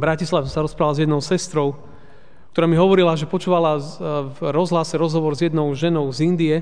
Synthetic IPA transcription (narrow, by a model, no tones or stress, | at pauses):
bɾacislaʋsaɾɔspɾalazjɛd̪nɔʊsɛst̪ɾɔʊ | kt̪ɔɾaːmiɦɔʋɔɾilaʒɛpɔt͡ʃuːʋalavɾɔzɦlasɛɾɔzɦɔʋɔɾzjɛd̪nɔʊʒɛnɔʊzind̪iɛ